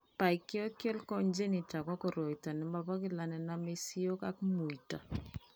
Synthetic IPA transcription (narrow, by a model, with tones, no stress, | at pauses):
pa˨ɪ˨kɪ˦ɔ˦kjɔ˦lkɔ˦nd͡ʒe˦ni˨t͡ʃa˨kɔ˦kɔ˨ɾo˨i˨ta˨nɪ˨mba˨pa˦kɪ˦la˨nɛ˨na˦me˦si˦o˦ka˦kmu˨i˨ta˨